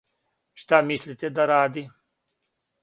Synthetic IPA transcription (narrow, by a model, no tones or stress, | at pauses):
ʃt̪amislit̪ed̪ɐɾaːd̪i